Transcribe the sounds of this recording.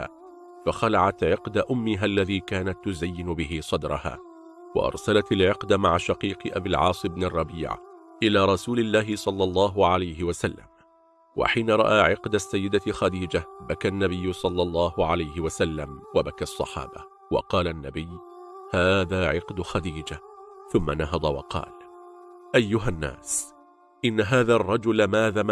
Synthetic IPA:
a̰ː | faxalaʕat̪ʕɪqd̪aʔʊmːɪɦalːaðiːkaːnat̪ːʊzajːɪnʊbɪɦɪsˤɑd̪ɾˤɑ̰ha̰ː | wɑ̰ʔɑ̰ɾˤsalat̪alʕɪqd̪maʕaʃaqiːqɨʔabilʕɑ̰ːsˤɨbnɪrˤːɑbḭːʕʔɪlaːɾˤɑsuːlɪlːaːɦɪsˤɑlːɑlˤːɑːɦʊʕalajɦɪwasalːa̰m | wa̰ħiːnaɾˤɑ̰ʔaːʕɪqd̪asːajːɪd̪axad̪iːd͡ʒabakanːabɪjːʊsˤɑlːɑlˤːɑːhʊʕalajɦɪwasalːamwabakasˤːɑ̰ħɑ̰ːba | wɑ̰qɑːlanːa̰bɪjː | haːðaːʕɪqd̪xad̪iːd͡ʒaθʊmːanaɦɑd̪ˤɑwɑ̰qɑ̰ːl | ʔajːʊɦanːa̰ːs | ʔɪnːaɦaːðarˤːɑd͡ʒʊlmaːðaːm

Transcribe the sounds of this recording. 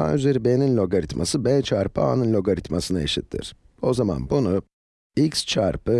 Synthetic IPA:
a̰nyze̞ɾibeninlʲo̞ɡaɾit̪mʔa̰sɯbɛt͡ʃʰaɾpʰɯa̰nɯnlʲo̞ɡaɾit̪masɯnaeʃit̪ʰːḭɾ̥ | o̞zama̰nbunu | ikst͡ʃʰaɾpʰɯ

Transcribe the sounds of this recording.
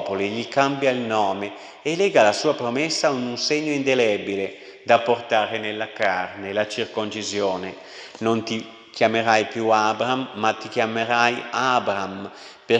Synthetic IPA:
poliʎikambjailnɔːme | elɛːɡalasuːapɾomɛsːaununseɲːoind̪elɛbile | d̪aport̪aːɾenelːakaarnelat͡ʃirkont͡ʃizjoːne | nont̪i | kjameɾajpjuabɾamːat̪ːikjameɾajabɾam | pe

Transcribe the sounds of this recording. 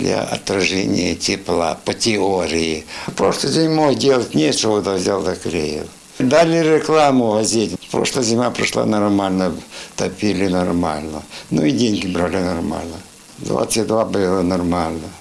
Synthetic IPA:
dlʲɐ̰ɐ̰t̪rɐʐɛ̰nʲɪ̰jətʲɪplˠa̰pətʲɪoɾʲɪjɪpɾoʂlˠɨjdʲenʲmoɣdʲelˠətʲnʲet͡ʃɪod̪ɐvzʲalˠd̪ɐkɾʲejɪ̰lˠ | d̪alʲɪɾʲɪklˠamʊvɐzʲitʲpɾo̰ʂlˠəzʲɪmʲapɾɪʂlˠa̰nɐrmalʲnət̪ɐpʲilʲɪnɐrma̰lʲnənʊidʲenʲɡʲɪbɾalʲɪnɐrma̰lʲnə | d̪va̰t̪səɨt̚ʲd̪vabɨlˠənɐrmalʲnə

